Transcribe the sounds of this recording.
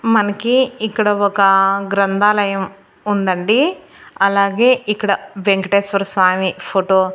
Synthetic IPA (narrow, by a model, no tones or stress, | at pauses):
mɐnɐkiːkːɐɽɐɔkɐɡɾɐnd̪ʱaːlɐjɐm | und̪ɐɳɖi | ɐlaːɡe̞ːʔikːɐɽɐʋeŋkɐʈeːsʋɐɾsʋaːmipʰoʈoː